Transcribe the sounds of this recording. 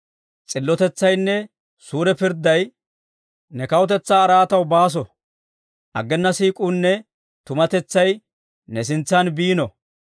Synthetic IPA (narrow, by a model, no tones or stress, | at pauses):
t͡sʼɪlːɔt̪ɛt͡sːɐjnːɛ | suːɾɛpɪɾd̪ɐj | nɛkɐwɔt̪̬ɛt͡sːaːɾaːt̪ɐwbaːs̬ɔ | ʔɐ̰ɡːɛnːɐsiːkʼuːnːɛ | t̪ʊmɐt̪ɛt͡sːɐj | nɛsɪnt͡sːɐnbiːnɔ